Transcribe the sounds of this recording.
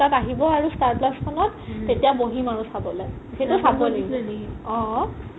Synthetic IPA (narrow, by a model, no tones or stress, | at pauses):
ataɦibɔaɹustaɹplaskʰɔnɔtːetijaboɦimaɹusabɔlaj | xetʊsabɔleɡɔ̃